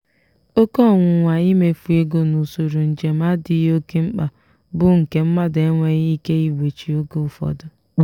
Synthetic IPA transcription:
o˦kɔ˦˨ŋʷʊ˨ŋʷa˨i˦me˨fu˨e˦ɡo˦nu˨so˨ɾu˨n̩˨d͡ʒe˨ma˦di˨jo˦ke˦ŋ͡m̩˦k͡pa˨ | bʊ˦ŋ̩˨ke˨m̩˦ma˦de˦ŋʷe˦ɣi˦ke˦i˦we˨t͡ʃi˨o˦ɡo˦˨fɔ̰˨dʊ˨

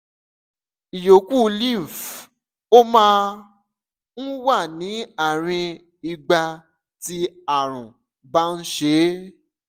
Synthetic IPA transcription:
i˨jo˨ku˦˧lĩ˦˨f | o˦mãː˦ | n̩˦wa˦˨nĩ˨˦a˦˨ɾ̃ĩ˧ | i˧ɡ͡ba˧ | ti˧a˨ɾ̃ũ˨ | ba˦n̩˦ʃe˦

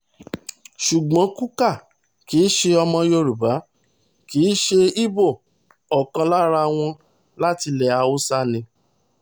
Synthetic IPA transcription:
ʃu˨ɡ͡bɔ̃˨˦ku˦ka˦˨ | ki˨˦ʃe˧ɔ˧mɔ̃˧jo˧ɾu˨ba˨˦ | ki˨˦ʃe˧i˦bo˦˨ | ɔ˨kã˧la˦ɾa˧w̃ɔ̃˧ | la˦ti˧lɛ˨a˧o˦sa˦nĩ˧

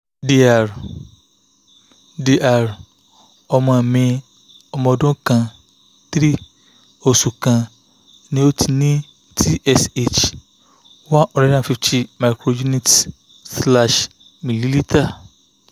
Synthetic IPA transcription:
di˨a˨ɾ | di˨ʔa˨ɾ | ɔ˨mã˨mɪ̃˦ | ɔ˨mɔ̃˨dʊ̃˦kʰã˨ | t̪ɾi˦ | o˨su˨kʰã˨ | nɪ̃˨˦o˦tʰi˨nĩ˦ | tʰi˦ʔɛ˨se˦t͡ʃ | wa˦ʔɔ˨ɾɛ˦dã˨fi˦ftʰi˦ma˨ɪ˨kʰɾo˨ju˦ni˦t | sla˦ʃ | mĩ˨li˦li˦tʰa˦

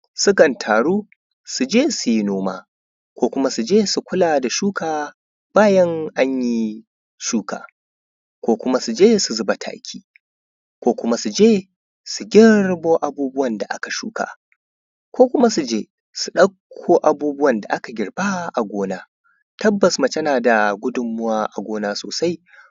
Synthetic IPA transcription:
sʊ˦kɐ˨ntʰaː˨ɽuː˦ | su˨d͡ʒeː˦su˨ji˦noː˦ma̰ː˦ | kʷoː˦kʷʊ˦ma˦su˨d͡ʒeː˦su˨kʷʊ˦laː˨da˨ʃuː˦kʰaː˨ | b̥aː˦jɐ˦ŋʔa˦ɲji˦ | ʃuː˦ka̰ː˨ | kʷoː˦kʷʊ˦ma˦su˨d͡ʒeː˦su˨zʊ˦ba˨tʰa̰ː˦kʲʰiː˦ | kʷoː˦kʷʊ˦ma˦su˨d͡ʒeː˦ | su˨ɡʲɪ˦rboː˦ʔa˨buː˦bʊ˦wɐ˨nda˨ʔa̰˦ka˨ʃṵː˦ka̰ː˨ | kʷoː˦kʷʊ˦ma˦su˨d͡ʒeː˦ | su˨ɗɐ˦kʷʰːoː˦ʔa˨buː˦bʊ˦wɐ˨nda̰˨ʔa˦ka˨ɡʲɪ˨rbaː˦ʔa˨ɡʷoː˦naː˦ | tɐ˦bːɐ˨sma˨tɐ˦naː˨da˨ɡʷʊ˦dʊ˨mːʊ˦waː˦ʔa˨ɡʷoː˦naː˦so̰ː˨sa˦j

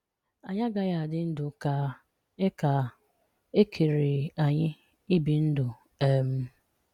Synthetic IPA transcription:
a˨ɲa˦ɡa˦ja˨dɪ˦n̩˦dʊ˨ka˨ | e˦ka˨ | e˦kʰe˨ɾi˨a˨ɲɪ˦ | i˦bi˨n̩˦dʊ˨ | e˦m̩˦

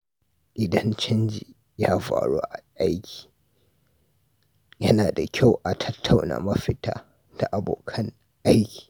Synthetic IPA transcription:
ʔɪ˨dɐ˦nt͡ʃɐ˦nd͡ʒi˨ | jaː˦ɸa̰ː˨ɽuː˦ʔa˨ʔa˦jkʲi̥ː˨ | jɐ˦naː˨da˨kʲa˦˨wʔa˨tʰɐ˦tʰːa˨wna̰ː˨mɐ˦ɸɪ˦taː˦ | d̥a˨ʔa˨bo̰ː˨kʰɐ˦ŋ | ʔa˦jkʲi̥ː˨

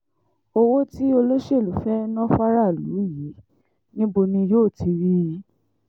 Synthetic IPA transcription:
o˧wo˦ti˦o˧lo˦ʃe˦˨lu˨˦fɛ˦nɔ̃˦fa˦ɾa˦˨lṵ˨˦i˦˨ji˨˦ | nĩ˦bo˧nĩ˧joː˦˨ti˧ɾi˦

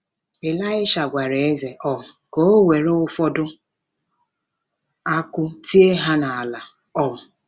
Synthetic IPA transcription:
e˨la˦ɪ˦ʃa˨ɡʷa˨ɾe˨e˦ze˨ʔɔ˦ʊ˨ | ko˦o˦we˨ɾo˦ʊ˦fɔ˦dʊ˦ | a˦kʷʊ˦ti˦e˦ɦa˦na˨a˨la˨ | ɔ˦ʊ˨

